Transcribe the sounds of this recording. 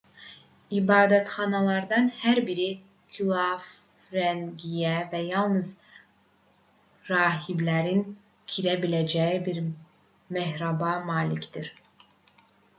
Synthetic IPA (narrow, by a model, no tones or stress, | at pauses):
ibɑːd̪æt̪χɑnɑlˠɑɾd̪ɑnhæɾbiɾi | kʰylˠaf | ɾænɡijævæjɑlˠnɯz | ɾɑːɦiblæɾin | cʰiɾæbilæd͡ʒæjibiɾ | meɦɾɑbɑmɑːlʲicd̪iɾ